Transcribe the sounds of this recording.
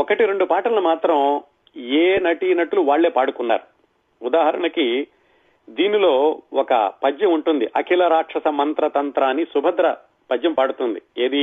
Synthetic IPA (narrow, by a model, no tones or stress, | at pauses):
ɔkɐʈiɾe̞ɳɖupaːʈɐlumaːt̪ɾɐm | eːnɐʈinɐʈuluʋaːɭːe̞ːpaːɽukunːa̰ːɾu | ud̪aːɦɐɾɐɳɐki | d̪iːnilo̞ːɔkɐ̰pɐd͡ʒjɐmuɳʈund̪iʔɐkʰilɐɾaːʈʂɐsɐmɐnt̪ɾɐt̪ɐnt̪ɾaːnːisubʱɐd̪ɾɐ | pɐd͡ʒjɐmpaːɽut̪und̪ieːd̪i